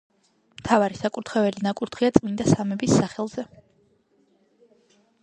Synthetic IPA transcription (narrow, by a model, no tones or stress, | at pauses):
mt̪ʰavaɾisakʼuɾt̪ʰχɛvɛlinakʼuɾt̪ʰχiat̪sʼmind̪asamɛbisːaχɛlˠz̥ɛ